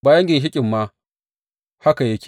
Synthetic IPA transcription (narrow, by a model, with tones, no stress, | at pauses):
baː˨jɐ˦ŋɡʲɪ˨nʃ̬ɪ˦kʲʼɪ˨mːa˦ | ha˦ka˨je˦kʲː